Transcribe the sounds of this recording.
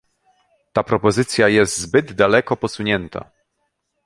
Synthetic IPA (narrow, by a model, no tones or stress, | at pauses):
t̪apɾɔpɔzɘt̪sʲjajɛst̪zbɘd̪d̪alɛkɔpɔsuɲɛnt̪ʰa̰